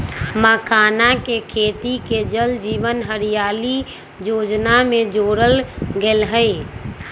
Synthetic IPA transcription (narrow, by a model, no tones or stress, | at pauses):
məkaːnakekʰeːt̪iked͡ʒəld͡ʒiːʋənɦəɾijaːli | joːd͡ʒnamẽd͡ʒoɾəlɡeːlɦə